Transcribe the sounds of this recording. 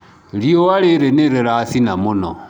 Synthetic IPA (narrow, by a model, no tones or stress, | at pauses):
liowaɾeɾeneɾeɾasinamuno̰